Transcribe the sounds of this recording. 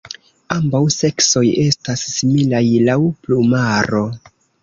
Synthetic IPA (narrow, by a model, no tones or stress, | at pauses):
ambawse̞kso̞je̞stasːimilajlawplumaɾo̞